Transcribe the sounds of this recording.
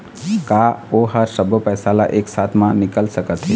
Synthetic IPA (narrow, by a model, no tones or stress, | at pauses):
kaːoɦəɾsəbʱəpɛːsala̰ʔeːksaːt̪ʰmãnɪkəlsəkət̪ɦɛ